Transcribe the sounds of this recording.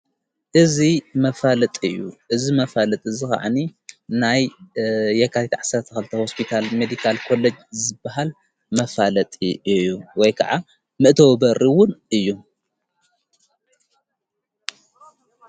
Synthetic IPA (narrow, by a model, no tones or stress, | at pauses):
ʔɨzimɐfalɐt̪ʼɨjːṵʔɨzimɐfalɐt̪ʼɨzika̰ʕa̰ninajː | ɛkʰat̪ʰit̪ʕasɐɾt̪ʰɐkɐlɨt̪ʰɐho̞spʰit̪ʰalmed̪ikʰalkʰo̞lːed͡ʒzɨbːahal | mɐfalɐt̪ʼiɨjːuwɔjkʰa̰ʕa | mɨʔt̪ʰɐwbɐɾʔiwʊnɨjːu